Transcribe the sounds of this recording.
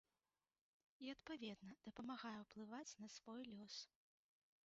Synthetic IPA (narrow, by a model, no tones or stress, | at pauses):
iɐt̪pavʲɛd̪nɐd̪̥ɐpɐmaɣajɛwplˠɨvat͡sʲnɐsvɔjlʲɔs